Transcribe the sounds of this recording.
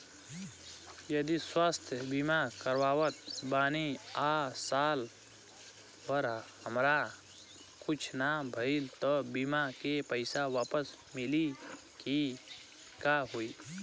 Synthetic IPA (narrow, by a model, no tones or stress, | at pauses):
jəd̪iswaːst̪ʰjəbimakəɾwaːwət̪̚baːniasaːl | əɾhəmɾa | kʊt͡ʃʰnabʱəɪlt̪ɔbimakepəɪsaʋaːpəs | mɪli | ki | kaɦui